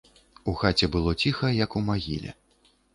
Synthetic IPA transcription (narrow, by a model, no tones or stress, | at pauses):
uxat͡sʲɛbɨlˠɔt͡sʲixɐjɐkumaɣʲḭlʲɛ̰